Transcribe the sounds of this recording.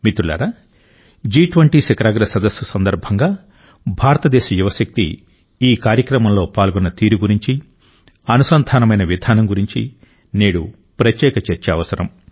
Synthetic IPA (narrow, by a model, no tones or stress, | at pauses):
mit̪ɾula̰ːɾa | d͡ʒiːʈʋɐɳʈiːsekɐɾaːɡɾɐsɐd̪ɐsjusɐnd̪ɐɾbʱɐŋɡaː | bʱaːɾɐt̪ɐd̪ɛːʃɐjuʋɐʃɐk̚t̪ḭ | iːkaːɾjɐkɾɐmɐmlo̞ːpaːlɡɔnːɐt̪iːɾuɡuɾiɲt͡ʃi | ɐnusɐnd̪ʱaːnɐmɐjnɐʋid̪ʱaːnɐmɡuɾiɲt͡ʃḭ | neːɽu | pɾɐt̪jɛːkɐt͡ʃeɾt͡ʃɐɐʋɐsɐɾɐm